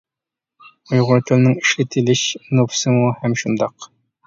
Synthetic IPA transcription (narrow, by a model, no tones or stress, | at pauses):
ujʁʊɾt̪ʰɨlnɪŋiʃlɪt̪ʰɪlɪʃnofsɨmuhɛmʃund̪ɑq